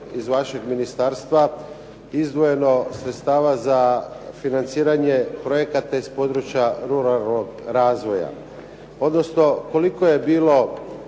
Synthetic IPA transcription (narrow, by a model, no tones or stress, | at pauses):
izʋaʃe̞ɡminist̪aɾst̪ʋa | izd̪ʋoje̞no̞sɾet̪st̪aːʋazafinant̪siːɾaɲe̞pɾo̞je̞kat̪aispo̞d̪ɾut͡ɕjaɾuɾalno̞ɡɾaːzʋo̞ja̰ | o̞d̪no̞sno̞ko̞liko̞je̞biːlo̞